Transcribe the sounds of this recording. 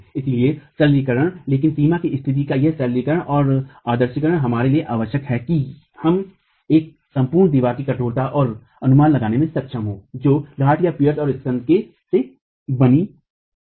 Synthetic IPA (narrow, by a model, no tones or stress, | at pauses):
ɪsiliesɐllikəɾəɽ̃leːkɪnsiːmakiɪst̪ʰɪt̪̬ikajeɦsɐllikəɾəɽ̃ʔɔːɾaːd̪əɾʃəkəɾəɽ̃ɦɐmaːɾelieʔaːʋəʃjəkɦɛki | hɐm | eːk̚ | sɐ̃mpuːɾɳd̪iːʋaːɾkikɐʈʰoːɾt̪aʔɔːɾ | ɐnʊmaːnlɐɡaːnemẽsɐt̪ʃʰəmɦoːd͡ʒoːlaːʈʰjapijəɾsɔːɾɪstə̃nd̪̚ke | se | bɐni